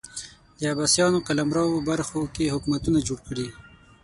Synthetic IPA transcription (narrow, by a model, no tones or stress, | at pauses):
d̪əabasjɑnokalamɾɑwobaɾxokeɦʊkmat̪unad͡ʒoɽkəɽi